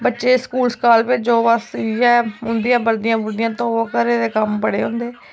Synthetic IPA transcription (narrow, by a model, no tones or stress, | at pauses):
bətːʃeːskuːlskaːlped͡ʒoːbəsjɛːʊnd̪ijãːbəɾd̪ɪjãːbʊɾd̪ɪjãːt̪õːokəɾeːd̪eːkəmpəɽeːɦʊ̃nd̪eː